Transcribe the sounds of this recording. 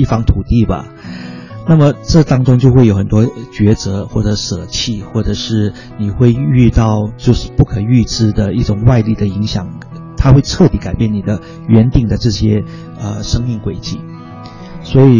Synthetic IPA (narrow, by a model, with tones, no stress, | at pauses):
i˥˩fɑ˥ŋt̪ʰu˨˩t̪i˥˩bɐ̰˩ | na˥˩mə˩ʈ͡ʂɤ˥˩t̪ɑ˥ŋʈ͡ʂʊ˥ŋt͡ɕjo˥˧xwe˥˩jo˧˥ʊxə˨˩nt̪wɔ˥t͡ɕɥɛ˧˥t͡sɤ˧˥xwɔ˥˩ʈ͡ʂɤ˧˦ʂɤ˨˩t͡ɕʰi˥˧xwɔ˥˩ʈ͡ʂɤ˨˩ʂɻ̩˥˩ | ni˨˩xwe˥˧ɪy˥˧t̪ɑ˥˧ʊt͡ɕjo˥˧ʊʂɻ̩˥˧pu˥˩kʰɤ˨˩y˥˧ʈ͡ʂɻ̩˥˩d̪ə˨i˥˩ʈ͡ʂʊ˨˩ŋwa˥˧ɪli˥˩d̪ə˩i˧˥ŋɕjɑ˨˩˦ŋ | t̪ʰa˥xwe˥˧ɪʈ͡ʂʰɤ˥˩t̪i˧˥ka˨˩ɪpjɛ˥˩nni˨˩d̪ə˦ | ɥɛ˧˥nt̪i˨˩ŋd̪ə˩ʈ͡ʂɤ˥˩ɕjɛ˥ | ə˧˩ʂɤ˥ŋmi˥˩ŋkwe˨˩ɪt͡ɕḭ˥˩ | swɔ˧˥i˨˩